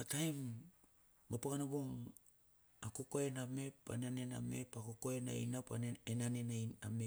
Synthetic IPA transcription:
atajmː | apaɡanaβoŋ | akokoename̞pa̰nanena̰me̞̰pakokoena̰jnapa̰nenanenajname̞

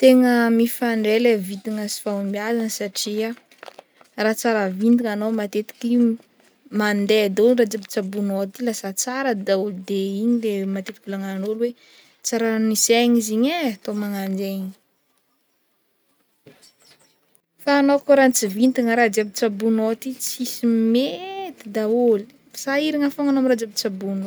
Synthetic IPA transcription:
t̪eŋəmifaɳɖ͡ʐelevit̪iŋəsi̥famiazanəsaʈ͡ʂia | rat͡saɾəvind̪iŋanomat̪et̪i̥ki | mand̪ed̪orad͡ziabi̥t͡sabunot̪ilasat͡saɾəd̪aud̪eiɲilemat̪et̪ibulaŋanolwe | t͡saɾaniseɲiziɲeat̪omaŋand͡ʒeiɲ | faːnokoɾant͡sivind̪iŋəɾad͡ʒabit͡sabunot̪it͡sisimet̪id̪aoli | saiɾiŋafoŋanomrad͡ʒabit͡sabuno

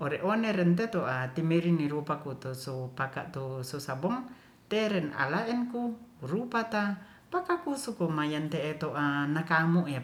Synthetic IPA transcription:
oɾeʔoneɾɛnt̪et̪oʔat̪imeɾiniɾupakut̪usopaka̰ʔt̪usosabɔŋ | t̪eɾɛna̰laʔɛnkuɾupat̪a | pakakusukomajant̪eːt̪oʔanakamuʔja

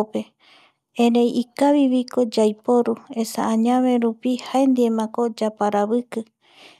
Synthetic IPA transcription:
pe̞ | ẽɾẽjikaβiβiko̞d͡ʒajpoɾue̞saãɲãβe̞ɾupihae̞nd̪iemãko̞d͡ʒapaɾaβɨkɨ

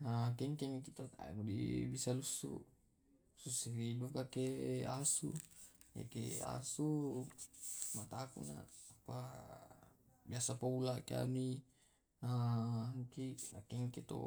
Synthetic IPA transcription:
akɛŋkemikit̪ot̪a̰mudḭbisalusṵʔ | susiɾidukakeasṵja̰kḛa̰su | mat̪akṵna̰apa | biasapaulaʔkea̰mi | naaŋkiakeŋket̪o̰

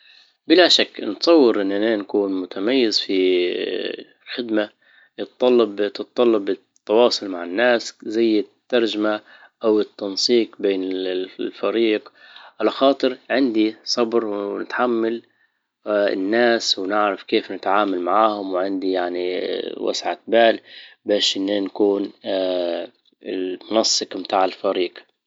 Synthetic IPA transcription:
bɪlaʃakːnt̪sˤɑwːɪɾʔɪnːanaːnkuːnmʊt̪ʰamajːɪzfi | lxɪd̪ma | jɨt̪ːˤɑlːɑbt̪ɨt̪ˤːɑlːɑbɪ | t̪ːɑwɑːsˤʊlmaʕɪnːaːszajːɪt̪ːɑɾˤd͡ʒama | ʔawɪt̪ːɑnsˤiːqbeːnɪlfaɾiːqʕalaxɑːt̪ˤɨɾʕɪnd̪isˤɑbɾwnɪt̪ħamːal | ɪ̰nːaːswnɪʕɾafkeːfnɪt̪ʕaːmalmaʕaːhʊmwʕɪnd̪ijaʕniwa̰sʕabaːlbeːʃʔɪnːankuːn | ɪlmʊnɑsˤːɨqmt̪aːʕɪlfaɾiːq

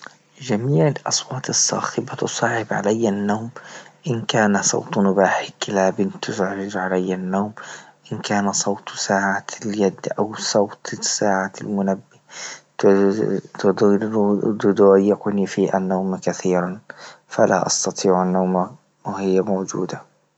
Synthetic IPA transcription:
d͡ʒamiːʕalʔɑsˤwɑːt̪ˤɨsːɑ̰ːxɪbat̪ʊsˤɑːʕɪbʕa̰lajːanːaːmʔɪnkaːnasˤɑ̰wt̪ˤmʊbaːħɪkɪlabɪnt̪ːʊsʕɾɪd͡ʒʕalajːanːaːmʔɪnkaːnasˤɑwt̪ˤsaːʕat̪ljad̪ːʔawsˤɑwt̪ˤsaːʕaalmʊnabːi | t̪d̪ | d̪ʊd̪jɪqʊnifiːʔa̰nːawmkaθiːɾanfala̰ʔɑ̰st̪ɑt̪ˤiːʕanːawma | whɪjːamawd͡ʒṵːd̪a

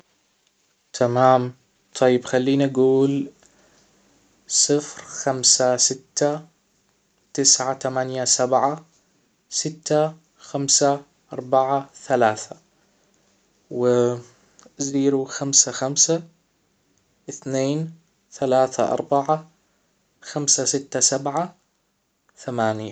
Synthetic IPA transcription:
t̪ʰamaːm | t̪ˤʰɑjːɪbxalːiːnʔaɡuːl | sˤɨfɾxamsasɪt̪ːa | t̪ɪsʕat̪amanjasabʕa | sɪt̪ːa | xamsa | ʔɑɾˤbaʕaθalaːθa | wɪ | ziːɾuxamsaxamsa | ʔɪθneːn | θalaːθa̰ʔɑ̰ɾˤbaʕa | xamsasɪt̪ːasabʕa | θamaːnja

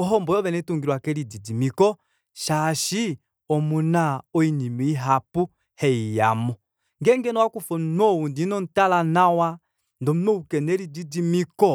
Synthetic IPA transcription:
ɔɦɔmbɔjɔβɛnɛtuŋɡiɾwakɛɾididimikɔ | ʃaʃi | ɔmunaɔinimiiɦapu | hɛija̰mɔ | ŋɡɛŋɡɛnɔwakufɔnnɔwundinɔn̩talanawa | ndɔmmɔukɛnɛɾididimikɔ

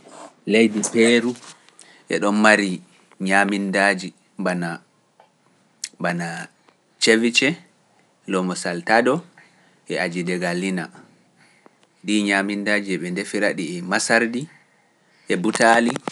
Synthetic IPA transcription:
lejdipeːɾu | ʔɛ̰ɗɔnmaɾi | ɲamindad͡ʒi | bana | bana | t͡ʃevit͡ʃɛ | lɔmɔsaltadɔ | ʔɛʔad͡ʒidɛɡalːina̰ | diɲamindaːd͡ʒiɛɓɛndefiɾaɗiɛmasaɾdi | ʔɛbutali

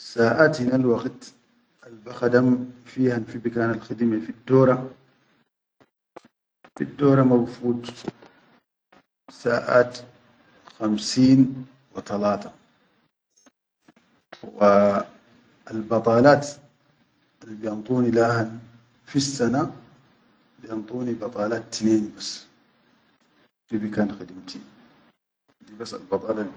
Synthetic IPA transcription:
saːʔaːt̪minalwɑɡt̪ | ʔalbaxad̪amfiːhanfibikaːnalxad̪imafid̪ːoːɾˤɑ | fḭd̪ːoːɾˤɑmawfuːt̪ˤ | saːʔa̰ːt̪ | xamsiːn | wɪt̪alaːt̪a | w | albɑt̪ˤɑːlaːt̪ | alːibijɑnt̪ˤuːnilaːhan | fisːana | bijɑnt̪ˤuːnibɑt̪ˤɑːlaːt̪t̪ːneːnbasː | bibikaːnxɪd̪mt̪i | d̪ibasːa̰lbɑt̪ˤɑːlɑ

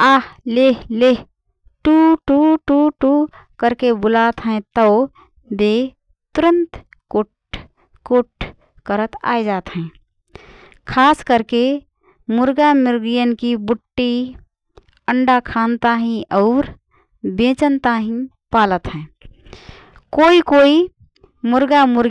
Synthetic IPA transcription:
aːhleɦle | ʈuʈuʈuʈu | kəɾkebʊlat̪ɦɛ̃t̪əʊ | b̪e | t̪uɾə̃nt̪ | koʈ | koʈ | kəɾət̪a̰jd͡ʒaːt̪ɦɛ̃ | kʰaskəɾke | muɾɡamuɾɡijənkibuʈːi | əɳɖakʰant̪aɦĩʔɔʊɾ | bẽt͡ʃənt̪aɦĩ | palət̪ɦɛ̃ | koikoi | muɾɡamuɾɡ

